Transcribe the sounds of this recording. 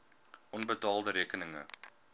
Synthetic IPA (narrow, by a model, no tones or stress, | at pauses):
ʔɔnbətɑːlˠdəɾiːkənəŋə̰